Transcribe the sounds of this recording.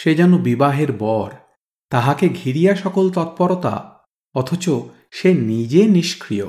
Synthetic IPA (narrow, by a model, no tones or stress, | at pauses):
ʃed͡ʑɛnobibaɦeɾbɔɾ | t̪aɦakeɡʱiɾijaʃɔkolt̪ɔt̪̚pɔɾot̪a̰ | ɔt̪ʰot͡ɕo | ʃenid͡ʑeniʃkʰɾijo̰